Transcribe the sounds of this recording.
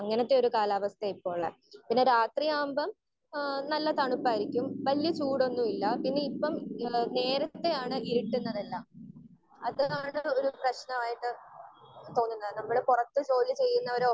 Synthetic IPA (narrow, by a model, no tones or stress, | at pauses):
ɐŋːɐnɐt̪ːe̞o̞ɾukaːlaːʋɐst̪ɐipːo̞ːɭ | pinːe̞ɾaːt̪rijaːmbɐm | nɐlːɐt̪ɐɳupːaːjɾikʲːumʋɐlijɐt͡ɕuːɽo̞nːumilːɐpinːe̞ipːɐmne̞ːɾɐt̪ːe̞jaːɳɨiɾiʈːunːɐðelːam | ɐðaːɳɨo̞ɾuprɐɕnɐmaːjiʈːɨ | t̪o̞ːnːunːɐðɨnɐmːɐɭɨpurɐt̪ːɨt͡ɕo̞ːlːɨt͡ɕe̞jːunːɐoɾ